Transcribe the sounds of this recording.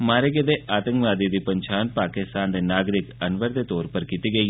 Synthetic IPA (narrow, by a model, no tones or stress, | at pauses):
maːɾeɡed̪eʔaːt̪ə̃ŋkʋaːd̪id̪ipɐɲt͡ʃʰaːnpaːkɪst̪aːnd̪enaːɡɾɪkɐnʋəɾd̪et̪ɔːɾpəɾkit̪iɡəiː